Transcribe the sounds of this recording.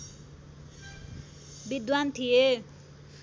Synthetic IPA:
bid̪want̪ʰije

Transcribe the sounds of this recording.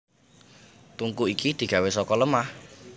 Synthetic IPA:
t̪uŋkuikid̪̥i̤ɡ̥ä̤wesɔkɔləmah

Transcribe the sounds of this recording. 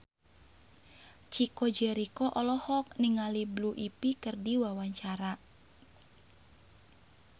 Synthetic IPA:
t͡ʃikɔd͡ʒɛɾikɔʔɔlɔhɔk̚niŋalibluʔipikɨrdiwawaɲt͡ʃaɾa

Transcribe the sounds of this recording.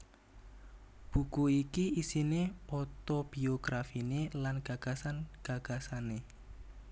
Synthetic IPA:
b̥ṳkuikiisinepɔt̪ob̥i̤oɡ̥ɾafinelanɡ̥a̤ɡ̥a̤sanɡ̥a̤ɡ̥a̤sane

